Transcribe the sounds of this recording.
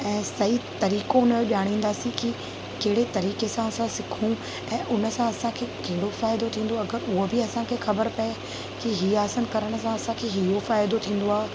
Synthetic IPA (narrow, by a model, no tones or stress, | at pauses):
ɛ̃ːsɐit̪ɐɾiːkoʊnəoʄaːɽ̃ĩːn̆d̪aːsĩki | kɐɦɪɽet̪ɐɾiːkesãɐsãsɪkʰũ | ɛ̃ːʔʊnə̆sãɐsãkʰeːkɐɦɪɽofaːɪd̪ot̪ʰĩːn̆d̪oɐɡəɾʊɦobɪɐsãkʰeːxɐbəɾpɐe | kiɦiːaːsənkɐɾəɽ̃ə̆sãɐsãkʰeːɦiofaːɪd̪ot̪ʰĩːn̆d̪oaːɦ